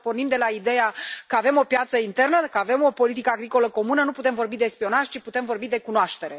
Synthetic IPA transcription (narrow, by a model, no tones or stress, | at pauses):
po̞rnimd̪e̞laid̪e̞jakəave̞mo̞pjat̪səint̪e̞rnəkəave̞mo̞po̞lit̪̬ikəaɡɾiko̞ləko̞munənuput̪e̞mvo̞rbid̪e̞spio̞naʒʲt͡ʃiput̪e̞mvo̞rbid̪e̞kunoaʃt̪e̞ɾe